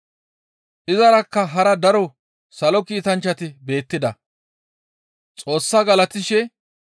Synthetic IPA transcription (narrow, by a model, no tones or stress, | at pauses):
ʔɪzɐɾɐkːɐɦɐɾɐd̪ɐɾɔ | sɐlɔkiːt̪ɐnt͡ʃːɐt̪ɪbe̞ːt̪ːɪd̪ɐ̰ | t͡sʼo̞ːsːɐɡɐlɐt̪ɪʃɛ